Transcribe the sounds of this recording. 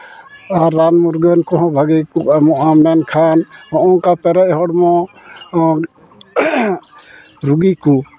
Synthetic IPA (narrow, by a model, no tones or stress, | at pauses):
aɾːanmuɾɡənkɔɦɔ̃bʱaɡikuamɔʔamɛnkʰanhɔʔɔ̃ŋkapɛɾɛʔ̚ɦɔɽmɔ | ɾuɡiku